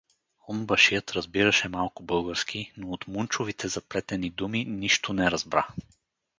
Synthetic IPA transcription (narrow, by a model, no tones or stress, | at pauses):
ombɐʃijət̪ɾɐzbiɾɐʃɛmalˠkʊbɤlˠɡəɾskʰinoːt̪munt͡ʃovit̪ʰɛzɐplɛt̪ɛnid̪uminiʃt̪ʊnɛɾɐzbɾa̰